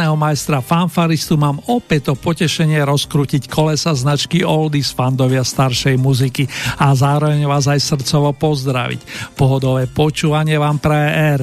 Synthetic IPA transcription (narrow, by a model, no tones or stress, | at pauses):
nɛːɦɔmajst̪ɾafanfaɾist̪umaːmɔpɛc̚t̪ɔpɔcɛʃɛɲɪɛɾɔskɾuːcickʰɔlɛsaznat͡ʃkiɔld̪isfand̪ɔʋɪast̪aɾʃɛjmuzikiazaːɾɔʋɛɲʋaːzajsr̩t̪t͡sɔʋɔpɔzd̪ɾa̰ʋḭcpɔɦɔd̪ɔʋɛːpɔt͡ʃuːʋaɲɪɛʋaːmpɾɛɛɾ